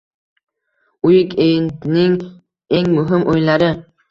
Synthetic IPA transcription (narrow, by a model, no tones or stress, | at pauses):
ujɪkʲejnnɪŋ | eŋmɵɦɪmʔojlaɾɪ